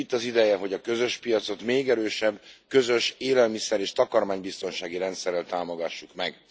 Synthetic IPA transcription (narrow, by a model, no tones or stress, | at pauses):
it̪ːɒzid̪ɛjɛɦo̞ɟɒkø̞zø̞ʃpijɒt̪so̞t̪meːɡɛɾøːʃɛbːkø̞zø̞ʃeːlɛlmisɛɾeːʃt̪ɒkɒrmaːɲbist̪o̞nʃaːɡiɾɛnt̪sɛrːɛlt̪aːmoɡɒʃːukmɛɡ